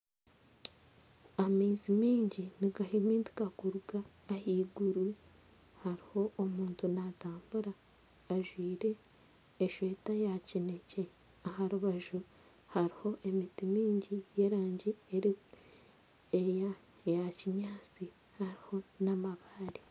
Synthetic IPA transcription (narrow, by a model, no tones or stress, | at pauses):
amiːzimiːɲɟiniɡaɦimiːndi̥kakuɾuɡaː | hiːɡuɾwi | haɾiho̞omuːntunataːmbuɾaː | ʒwiːɾe̞ː | ʃwe̞ːtajacinece | ahaɾuβaʒu | haɾiho̞ʔe̞mitimiːɲɟije̞ɾaːɲɟieɾi | eja | jaciɲɲaːt͡si | haɾiho̞namaβaːɾi